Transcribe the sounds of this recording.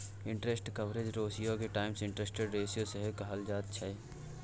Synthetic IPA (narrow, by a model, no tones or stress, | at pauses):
ɪ̃ɳʈɾesʈkɐʋɾed͡ʒɾoːsijõkeʈaːɪmsɪ̃ɳʈɾesʈeɖɾeːsijõseɦekɐɦəld͡ʒaːt̪̚t͡ʃʰɛ